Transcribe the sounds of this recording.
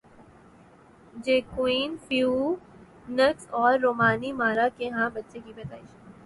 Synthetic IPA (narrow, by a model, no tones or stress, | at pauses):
d͡ʒeːkwiːnfjuː | nəksɔːɾːoːmaːnimaːɾakeɦãbɐtːʃekibɐt̪a̰ːɪʃ